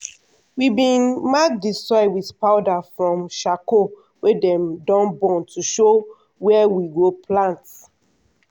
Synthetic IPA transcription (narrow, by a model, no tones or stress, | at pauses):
wibĩnmak̚disɔɪwiθpaʊdafɹɔ̃mʃako | wedɛ̃mdɔ̃nbɔ̃ntʰuʃo | wɛwiɡopʰlãnt